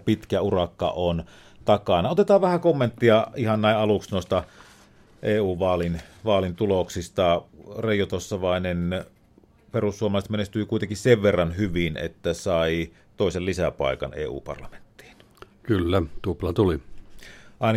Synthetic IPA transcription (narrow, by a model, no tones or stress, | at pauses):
pit̪kæurɑkːɑ̰on | t̪ɑkɑnɑot̪et̪ɑːʋʋæhækomːent̪ːiɑihɑnnæˑiʔʔɑluksnoˑist̪ɑ | ʔeːuːʋɑːlinʋɑːlint̪uloksist̪ɑreˑijot̪osːɑʋɑˑenen | perusːuomɑlɑˑst̪menest̪yːkuˑit̪eŋkisseʋʋerːɑnhyʋinḛt̪ːæsɑˑi | t̪oˑesellisæpɑ̰ˑikɑ̰nḛːṵːpɑ̰rlɑme̥nt̪ːi̥ːn̥ | kylːæt̪uplɑt̪uli | ʔɑˑin